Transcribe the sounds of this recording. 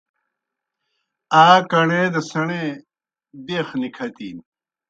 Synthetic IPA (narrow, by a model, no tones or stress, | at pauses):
aːkɐɳed̪ɐsɐɳe | beːxnikʰɐt̪ḭːn